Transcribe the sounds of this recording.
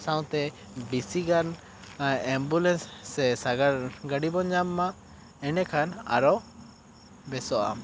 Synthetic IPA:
sawt̪ɛ | bisiɡan | ɛmbulɛnsːɛsaɡaɾɡaɖibɔɲd͡ʒamːa | ɛnɛkʰana̰ɾɔ | bɛsɔa̰m

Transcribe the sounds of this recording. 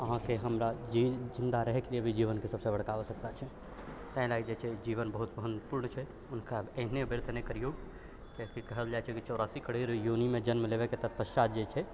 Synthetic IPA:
əɦãkeɦəmɾaid͡ʒind̪aɾəɦɛkeliebʱid͡ʒiβənkesəbsebəɽ̤kabɔsəkt̪at͡ʃʰɛ | t̪ə̃ɪ̃laɡid͡ʒet͡ʃʰɛd͡ʒiβənbəɦut̪məɦənpuɾɳt͡ʃʰɛ | ʊnkabenebeɾt̪ʰənekəɾijoɡ | kekikəɦəld͡ʒajt͡ʃʰɛkit͡ʃɔɾasikəɽeɾjunimed͡ʒənmelebeket̪ət̪ʰpəst͡ʃat̪̚d͡ʒet͡ʃʰɛ

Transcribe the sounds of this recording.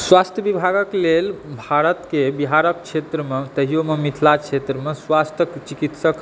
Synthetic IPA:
swast̪ʰjəbibʱaɡəklelbʱaɾət̪kebiɦaɾək̚kt͡ʃʰet̪ɾəmet̪əɦijomemit̪ʰlat͡ʃʰet̪ɾəmeswast̪ʰjəkt͡ʃikit̪sək

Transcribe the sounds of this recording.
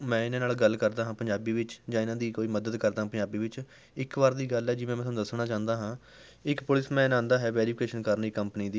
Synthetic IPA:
mɛ̃ːɪnãːnaːlɡəlkəɾd̪aːɦãːpəɲd͡ʒaːbiːʋɪt͡ʃd͡ʒãːɪnãːd̪iːkoːiːməd̪əd̪kəɾd̪aːãːpəɲd͡ʒaːbiːʋɪt͡ʃ | ɪkʋaːɾd̪iːɡəlɛːd͡ʒɪʋẽːɛ̃ːt̪ʰːd̪əsnaːt͡ʃãːnd̪aːɦãː | ɪkpʊlɪsmɛ̃ːnãːnd̪aːɦɛːʋɛːɾiːpʰkeːʃənkəɾniːkəmpəniːd̪iː

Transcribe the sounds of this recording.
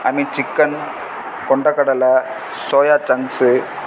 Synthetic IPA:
ɐ̰mit͡ʃikːɐn | kɔɳɖɐkːɐɽɐlɐ | soːjaːt͡ʃɐŋsɯ

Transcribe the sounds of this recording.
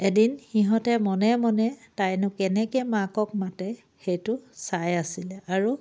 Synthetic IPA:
edinxiɦɔtɛmɔnɛmɔnɛtajnʊkɛnɛkɛmakɔk̚matɛ | xejtʊsajasilɛaɹu

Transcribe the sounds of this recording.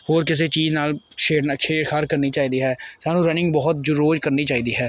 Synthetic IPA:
hoːɾkɪs̬eːt͡ʃiːd͡ʒnaːl | ʃeːɖnkʰeːɽkʰəɾkəɾniːt͡ʃaːiːd̪iːɦɛːsaːnũːɾənɪ̃ŋɡbɔːʊt̪̚d͡ʒʊɾoːd͡ʒkəɾniːt͡ʃaːiːd̪iːɦɛː

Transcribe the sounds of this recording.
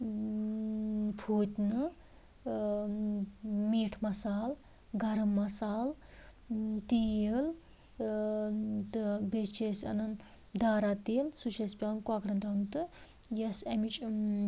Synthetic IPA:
pʰuːt̪ʲnɨ | meːʈʰmɐsaːl | ɡɐɾɐmːɐsaːl | t̪iel | t̪ɨbest͡ʃesɐ̰nɐn | d̪aːɾaːt̪eːlsut͡ʃʰespʲalnkwaːkɽɐnt̪ɾɐnt̪ɨjɐsɐmit͡ʃʼ

